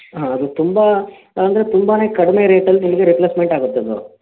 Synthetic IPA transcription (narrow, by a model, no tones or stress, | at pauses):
ɦaːɐd̪ut̪umba | ɐnd̪ɐɾet̪umbaːne̞ːkɐɽimeɾe̞ːʈɐlːinimɐɡe̞ɾipleːsme̞ɳʈaːɡut̪ːɐd̪ṵ